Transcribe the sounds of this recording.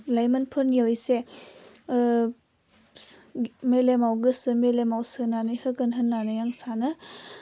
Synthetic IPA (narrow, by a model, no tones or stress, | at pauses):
lajmɐnpʰɯɾnijawjse | melemawɡɯsɯmelemawsɯnanɯjhɯɡɯnɦɯnːanɯjaŋsanɯ